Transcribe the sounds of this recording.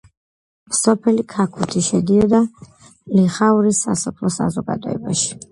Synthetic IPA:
msɔpʰɛlikʰakʰut̪ʰiʃɛd̪iɔd̪a | liχauɾisːa̰sɔpʰlˠɔsa̰zɔɡa̰d̪ɔɛ̰baʃi̥

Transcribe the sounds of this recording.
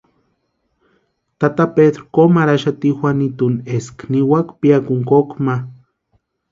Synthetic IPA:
t̪at̪aped̪ɾkomaɾaʃat̪ixʷanit̪uneskniwakpiakuŋkokma

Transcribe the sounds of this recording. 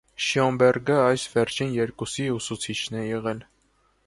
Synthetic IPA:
ʃjɔmbɛrɡəɑjsvɛrt͡ʃʰinjɛɾkusiusut͡sʰit͡ʃʰnɛjɛʁɛl

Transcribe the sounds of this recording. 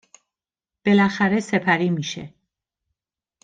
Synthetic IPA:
b̥e̞læxæɾe̞se̞pʰæɾiːmiːʃe̞̰

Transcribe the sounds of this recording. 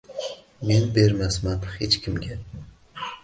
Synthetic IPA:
menbe̞ɾmasmanhet͡ʃkʲʰɪmɡʲa

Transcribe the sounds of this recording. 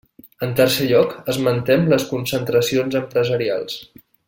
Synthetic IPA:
ənt̪əɾsɛʎɔkəzmənt̪ɛmləskunsənt̪ɾəsionzəmpɾəzəɾia̰lˠs

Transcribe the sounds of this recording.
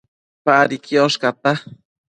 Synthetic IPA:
paɾikʰioʃkat̪a

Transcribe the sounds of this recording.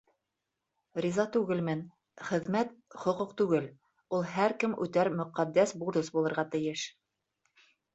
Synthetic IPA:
ɾʲizɑt̪ʉɡɘlmɘn | χɘ̆ðmæt̪χŏquqt̪ʉɡɘl | ulˠɦæɾkɘmʔʉ̰t̪æɾmɵ̆qæd̪ːæsbuɾðɤsbulˠɤ̆ɾʁɑt̪ɘ̆jɘʃ

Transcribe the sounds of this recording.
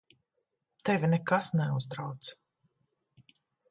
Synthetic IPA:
t̪ɛvʲinɛkasnɛuzd̪ɾawt̪s

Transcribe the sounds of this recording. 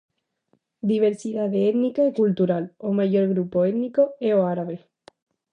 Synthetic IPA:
d̪iβ̞e̞ɾsiðaðeet̪nikaikult̪uɾalomaʝo̞ɾɣɾupoet̪niko̞eoaɾaβe

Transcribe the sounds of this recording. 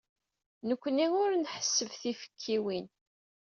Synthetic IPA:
nəkʷːniʊɾnħə̥sːəvθifə̥kʰːiwin

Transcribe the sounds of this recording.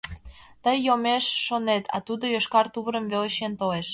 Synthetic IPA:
t̪əjːomeʃːonet̪ʰɑ̰t̪ud̪ojoʃkɑrt̪uβəɾəmveleʃent̪oeʃ

